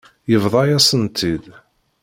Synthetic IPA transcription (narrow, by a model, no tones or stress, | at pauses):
jəvðˤɑjæsənt̪ʰið